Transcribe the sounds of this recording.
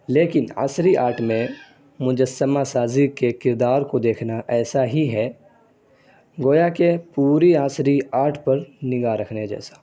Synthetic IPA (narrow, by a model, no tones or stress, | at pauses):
leːkɪna̰ːsɾiʔa̰ːɾʈʰmẽ | mʊd͡ʒəsəmasaːzikekɪɾd̪aːɾkod̪eːkʰnaʔɛːsaɦiɦɛ | ɡoːjakepuːɾiaːsɾiaːɾʈʰpɐɾnɪɡaɾɐkʰneɦɛd͡ʒɛ̰ːsḁ